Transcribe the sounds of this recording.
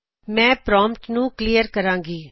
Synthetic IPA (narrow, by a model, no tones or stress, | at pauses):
mɛ̃ːpɾɔ̃ːmpʈnũːkliːjəɾkəɾãːŋɡiː